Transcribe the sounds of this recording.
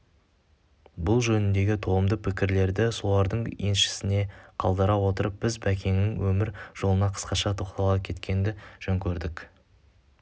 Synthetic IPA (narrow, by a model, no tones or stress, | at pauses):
bʊlˠʒɵnɪnd̪e̞ɡʲɪt̪ʰo̞əmd̪əpʰɪkʲɪɾle̞ɾd̪ɪso̞lˠɑɾd̪əɴje̞nʃɪ̥sɪneqʰɑ̰lˠd̪ɑɾɑwo̞t̪əɾəp̚b̥ɪzbækʲe̞ŋnɪŋwɵmɪɾʒ̥o̞lˠənɑqʰə̥sqɑʃɑt̪ʰo̞qt̪ɑlˠɑkʲʰe̞t̪kʲe̞nd̪ɪʒ̥ɵŋkʲʰɵɾd̪ɪk